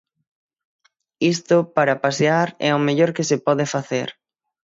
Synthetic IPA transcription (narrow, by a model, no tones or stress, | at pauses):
ist̪ʊpaɾɐpaseaɾɛ̰omeʎoɾkɪsepɔðefaθeɾ